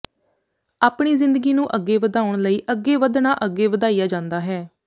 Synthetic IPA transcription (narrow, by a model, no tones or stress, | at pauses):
aːpɳ̃iːzɪ̃nd̪əɡiːnũːʔəɡːeːʋəd̪aːʊɳ̃ləiːʔəɡːeːʋəd̪naːʔəɡːeːʋəd̪aːijaːd͡ʒãːnd̪aːɦɛː